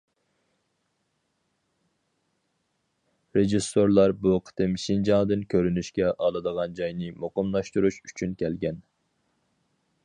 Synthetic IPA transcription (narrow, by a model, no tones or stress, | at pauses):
ɾeʒisːoɾlˠɑɾbuqʰə̥t̪ʰɨmʃind͡ʒɑŋd̪ɨnkʲʰøɾynyʃkʲɛʔɑlˠɨd̪əʁɑnd͡ʒɑjnɨmoqəmlˠɑʃt̪uɾuʃy̥t͡ʃʰynkʲɛlɡʲɛn